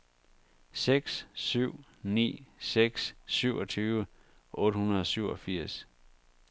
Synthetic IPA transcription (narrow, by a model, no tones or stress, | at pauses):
seɡ̥ssyʊ̰ | nḭːseɡ̥sːyʊ̰ʔɒ̽t͡sʰyːʋə | ʔɔ̽ːɾ̥əhunɐðˠɒ̽syʊɒ̽fiɐ̰s